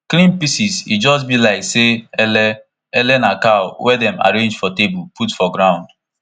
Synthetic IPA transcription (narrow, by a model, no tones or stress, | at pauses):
klĩnpisisḭd͡ʒɔs̬bilaɪkseɛlɛ | ɛlɛnakaʊwɛdɛ̃ma̰ɾẽnd͡ʒfɔtebuputfɔɡɾãʊ̃nd